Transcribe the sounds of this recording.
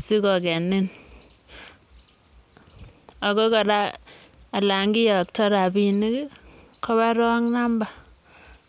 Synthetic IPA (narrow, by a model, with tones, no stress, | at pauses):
si˦kɔ˨kɛ˨ni˦n | a˨ko˦ka˨ɾa˦ | a˨la˨ŋɡɪ˦ja˨k̚tɔ˦ɾa˨bi˦˨ni˦k | kɔ˦βa˦ɾɔ˦ŋna˦mba˨